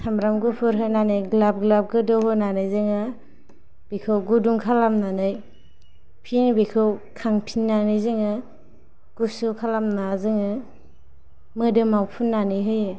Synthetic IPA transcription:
sʰamɾamɡupʰɯɾɦɯnanajɡlab̚ɡlab̚ɡɯdɯwɦɯnanɯjzɯŋɯ | b̥ikʰɯwɡuduŋkʰalamnanɯj | pʰinbikʰɯwkʰaŋpʰinːanɯjzɯŋɯ | ɡ̥usukʰalamnazɯŋɯ | mɯdɯmawpʰunːanɯjɦɯjɯ

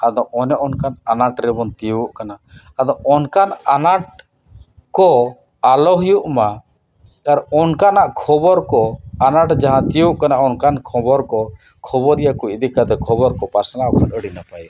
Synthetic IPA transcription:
ad̪ɔʔɔnɛʔɔnkananaʈɾɛbɔnt̪ijuʔkanaː | d̪ɔʔɔnkananaʈ̚ | kɔ | alɔɦijuʔma | kaɾɔnkanaʔkʰɔbɔɾkɔanaʈd͡ʒaɦãt̪ijuʔkanaʔɔnkankʰɔbɔɾkɔ | kʰɔbɔɾijakuid̪ikːad̪ɛkʰɔbɔɾkɔpaɾsanaɔkʰət̪əɽinapaj

